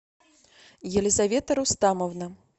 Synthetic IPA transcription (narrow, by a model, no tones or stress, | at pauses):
jɛlʲizavʲɛt̪ɐɾust̪amɐwnɐ